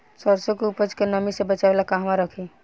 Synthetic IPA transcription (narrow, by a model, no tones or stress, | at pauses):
səɾsokeupəd͡ʒkenəmisebət͡ʃabelakaɦmaɾəkʰi